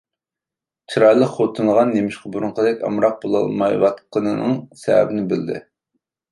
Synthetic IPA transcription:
t͡ʃʰiɾɑjlˠəqχot̪ʰɨnlˠəʁɑnːemɪʃqʰɑbuɾʊɴqəd̪ɛkʲɑ̰mɾɑq̚bolˠɑ̰lˠmɑjwɑt̪qənɨnɨŋsɛ̰æ̰bɪnɪbɪld̪ɪ̰

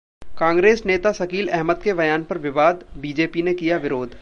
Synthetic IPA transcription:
kãːŋɡɾeːsneːt̪asɐkiːlɛɦməd̪keʋɐjaːnpɐɾʋɪʋaːd̪biːd͡ʒeːpinekijaʋɪɾoːd̪ʱ

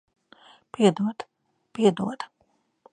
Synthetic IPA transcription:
piɛd̪uɔd̪ | piɛd̪uɔd̪

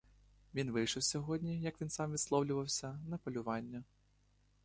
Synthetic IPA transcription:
vʲinvɨʂɨwsʲɔɣɔd̪ʲnʲijɐkvʲinsamvʲit̪slˠɔwlʲʊvɐwsʲɐnɐpɐlʲuvanʲːɐ

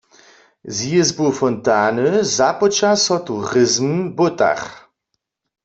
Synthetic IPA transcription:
ziezbofɔntaːnəzapɔt͡ʃasɔtuʁɪzm̩bota̰χ

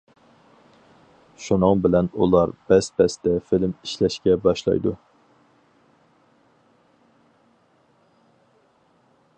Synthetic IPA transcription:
ʃunɨŋbɪlɛnulˠɑɾbɛspɛst̪ɛfilmiʃlɛʃkʲɛbɑʃlˠɑ̰jd̪u

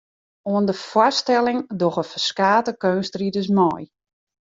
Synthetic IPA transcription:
oəndəfwɔstɛlɪŋdɔxəfəskaːtəkøːnstridəs̬mɔj

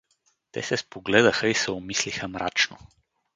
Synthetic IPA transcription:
t̪ɛ̰sɛspoɡlɛd̪əxəisɛomislixəmɾa̰t͡ʃno

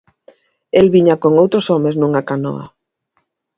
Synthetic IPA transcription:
elβiɲakoŋowt̪ɾosɔmeznũŋakanɔ̰a̰

